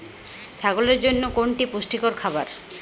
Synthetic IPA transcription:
t͡ɕʰaɡoleɾd͡ʑonːokoɳʈipuʃʈikoɾkʰaβaɾ

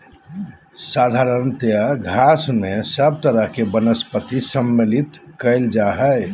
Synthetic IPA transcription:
sad̪ʱaɾənt̪jəɡʱasmesəb̚t̪əɾəɦkebənəspət̪isəmːelit̪kəɪld͡ʒaɦəj

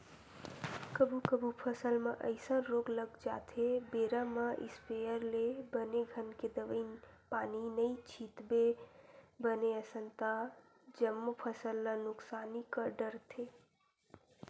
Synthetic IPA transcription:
kəbʱukəbʱupʰəsəlmeʔəɪsə̃ɾoɡləɡd͡ʒa̰t̪ʰebeɾəməʔḭspejəɾlebəneɡʱənked̪əʋəɪnpaninəit͡ʃʰit̪be | bəneəsənt̪a | d͡ʒəmːpʰəsəlːənʊksaːnikəɾɖəɾt̪ʰe

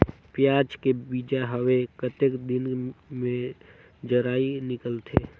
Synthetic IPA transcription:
pjaːd͡ʒkebiːd͡ʒaɦəwekət̪ekd̪ɪnmẽ | d͡ʒəɾaːinɪkəlt̪ʰeː

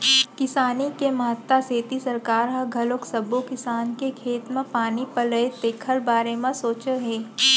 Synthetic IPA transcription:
kɪsaːnikemɐɦət̪waseːt̪isɐɾkaːɾɦɐɡʱɐloksɐbokɪsaːnkekʰeːt̪mẽpaːnipɐləet̪eːkʰəlbaːɾemẽsoːt͡ʃəɦeː

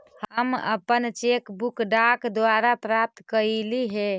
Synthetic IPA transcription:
həmə̰pənt͡ʃekbukɖakd̪waɾapɾap̚t̪kəiliɦe

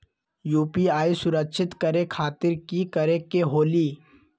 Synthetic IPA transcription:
juːpiaːisʊɾəkʃʰɪt̪kəɾekʰaːt̪ɪɾkikəɾekeɦoːliː

